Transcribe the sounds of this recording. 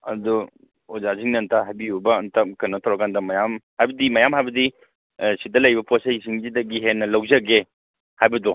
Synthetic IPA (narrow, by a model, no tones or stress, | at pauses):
ɐdɔ | ozaziŋnɐntʰaɦajbiubɐːntʰakɐnɔtʰawɾɐkandɐmɐjamhajbɐdimɐjamɦajbɐdi | sidɐlɐjbɐposeisiŋzidɐɡiɦenːɐlɐwzɐɡe | hajbɐdɔ